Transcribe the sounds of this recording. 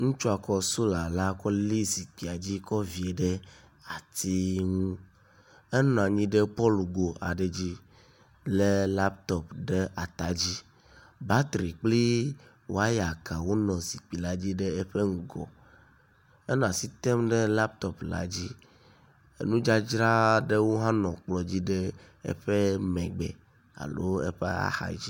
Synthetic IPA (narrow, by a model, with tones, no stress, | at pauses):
ŋũ˦t͡ʃu˦a˨kɔ˦su˦la˨la˦kɔ˦li˦si˨k͡pi˨a˨d͡ʑi˦kɔ˦vi˨e˨ɖe˦ | a˨t̪i˦ŋũ˦ | e˦nɔ̃˨a˨ɲĩ˦ɖe˦pɔ˦lu˨ɡo˨a˨ɖe˨d͡ʑi˦ | le˦la˦pt̪ɔ˨pɖe˦a˨t̪a˨˦d͡ʑi˦ | ba˦t̪ɾi˨k͡pli˦ | wo˦a˦ja˨ka˨wo˦nɔ̃˨si˨k͡pi˨la˦d͡ʑi˦ɖe˦e˦ɸe˦ŋ̩˨ɡɔ̰˨ | e˦nɔ̃˨a˨si˦t̪ɛ˦mɖe˦la˦p̚t̪ɔ˦pla̰˦d͡ʑi˦ | e˦nũ˦d͡ʒa˦d͡ʒɾa˦ɖe˦wo˦ɦã˦nɔ̃˨k͡plɔ˨d͡ʑi˦ɖe˦ | ḛ˦ɸe˦mɛ̃˨ɡ͡bɛ̰˨ | a̰˨lo˦ḛ˦ɸḛ˦a̰˦xa̰˨d͡ʑi˦